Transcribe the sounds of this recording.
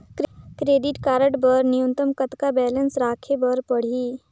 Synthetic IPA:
kɾkɾeːɖɪʈkaːɾəʈbəɾnɪjũnt̪əmkət̪kabɛːlənsɾaːkʰebəɾpəɽ̤iː

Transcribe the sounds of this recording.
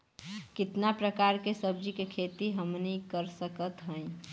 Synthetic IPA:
kɪt̪napɾəkaːɾkesəbd͡ʒikekʰet̪iɦəmnikəɾsəkət̪ɦə̃ɪ̃

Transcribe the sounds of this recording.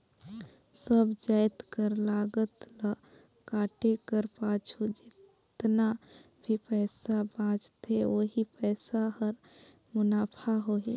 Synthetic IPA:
səbd͡ʒaːɪt̪kəɾlaːɡət̪la | kaːʈekəɾpãːt͡ʃʰud͡ʒɪtt̪na | bʱipɛːsabãːt͡ʃt̪eʋoɦipɛːsaɦəɾ | mʊnaːpʰaɦoːɦe

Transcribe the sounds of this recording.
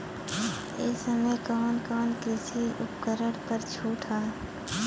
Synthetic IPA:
ɪsəməjkɔːnkɔːnkɾɪsiʊp̚kəɾəɽpəɾt͡ʃʰuːʈʰaː

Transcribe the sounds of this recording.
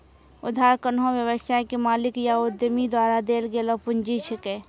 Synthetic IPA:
ʊd̪ʱːaːɾkənɦõʋjəwəsajkemaːlɪkjaʊd̪jəmid̪waːɾad̪eːlɡeːlopʊnd͡ʒit͡ʃʰəkeː

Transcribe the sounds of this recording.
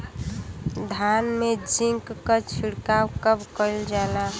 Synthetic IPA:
d̪ʱanmed͡ʒiŋkːət͡ʃʰiɽkawkəbkəɪld͡ʒala

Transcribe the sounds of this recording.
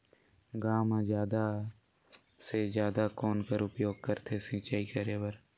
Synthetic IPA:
ɡaːmãzjaːd̪a | sed͡ʒjaːd̪akoːnkəɾʊpjoːɡ̚kəɾt̪ʰesĩːt͡ʃaːikəɾeːʋəɾ

